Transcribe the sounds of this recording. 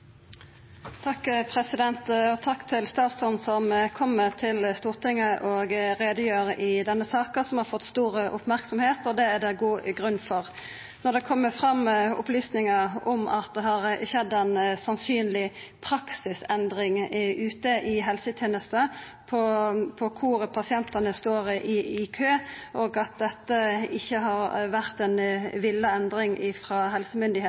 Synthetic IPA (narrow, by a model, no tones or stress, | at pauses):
t̪ʰɑkːpʰʁɛsɪd̪ɛnt̪ɔt̪ʰɑkːt̪ʰɪlst̪ɑːt̪sɔnsɔmkʰɔmːət̪ʰɪləst̪uːʁt̪ʰɪŋːəʔɔɡʁeːd̪əjøːʁəʔɪd̪ɛnːəsɑːkəsɔmhɑɾfɔt̪ːst̪uːʁəʔʊ̰pmæʁksɔmheːt̪ɔd̪ɛæd̪ɛɡuːɡʁʉnːfɔʁ | nɔd̪ɛkʰɔmːəfʁɑmʊ̰plyːsnɪŋəɔmɑ̰t̪d̪ɛɦɑɾʃɛd̪ːɛnsɑnsyːnlɪ | pʰɾɑksɪsɛnd̪ɾɪŋʉːt̪əʔɪɦɛlsət̪ʰjeːnəst̪ə | pʰɔpʰɔkʰʊʁpʰɑsɪɛnt̪ɑnəst̪oːɾɪɪkʰøːʔoːɡɑt̪̚d̪ɛt̪ːəɪçːəɦɑɾʋæʁt̪ɛnʋɪlːəɛnd̪ɾɪŋɪfʁɑɦɛlsəmʏnd̪ɪheːt̪